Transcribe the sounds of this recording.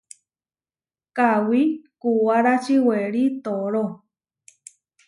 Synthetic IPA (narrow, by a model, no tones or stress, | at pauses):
kawikuwaɾat͡ʃiweɾit̪oɾo